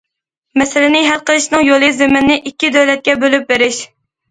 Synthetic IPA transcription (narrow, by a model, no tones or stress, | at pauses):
mɛsɪlɪnɪɦælˠqəlˠɨʃnɨŋjolˠɨzemɪnːɪʔikʲːid̪øwlɛt̪̚kʲɛbølyp̚beɾɪʃ